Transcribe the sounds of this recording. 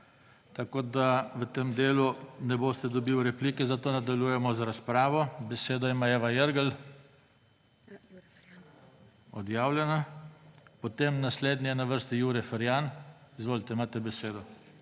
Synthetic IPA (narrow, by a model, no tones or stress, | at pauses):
t̪akoːd̪aʋət̪emd̪eːlunɛboːst̪ɛd̪ɔbiwɾɛpliːkɛzat̪oːnad̪aljujɛmɔzaɾaspɾaːʋɔbɛseːd̪ɔimajɛʋajəɾɡəl | ɔd̪jaːwlʲjɛna | pɔt̪emnasleːd̪nɛɛnaʋəɾst̪ijuːɾjɛfəɾjanizʋoːlit̪ɛimaːt̪ɛbɛseːd̪ɔ